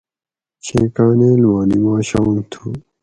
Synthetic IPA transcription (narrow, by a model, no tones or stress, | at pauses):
t͡ɕʰẽːkaːneːlwaːnimaːɕant̪ʰuː